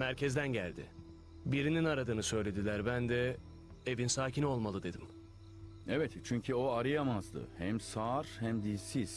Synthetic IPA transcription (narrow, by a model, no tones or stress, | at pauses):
mæɾcʰɛzd̪ænɟælʲd̪ɪ̰ | biɾininaɾad̪ɯːnɯsø̞jlʲe̞d̪ilʲæɾbænd̪ɛ | evinsaːcʰinio̞lˠmalˠɯd̪e̞d̪im | evɛt̪t͡ʃʰyɲcʰyoaɾɯjamazd̪ɯ̰hɛmsaːɾ̥hɛmd̪isiz̥